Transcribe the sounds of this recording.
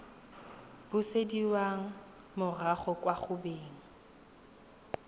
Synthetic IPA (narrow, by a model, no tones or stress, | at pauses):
b̥ʊsediwaŋ̩ | mʊraχɔkʼwaχʊbeːŋ̩